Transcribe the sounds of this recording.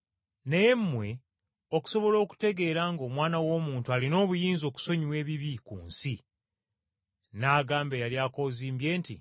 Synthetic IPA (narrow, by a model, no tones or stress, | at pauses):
nejemːwe̞ | o̞ku̥so̞βo̞lo̞ːku̥te̞ɡe̞ːɾaŋɡo̞ːmwaːnawo̞ːmuːntualino̞ːβujiːnzo̞ːku̥so̞ɲiwe̞ːβiβikṵːnsi | naːɡaːmbejaljaːko̞ːziːmbje̞ːntḭ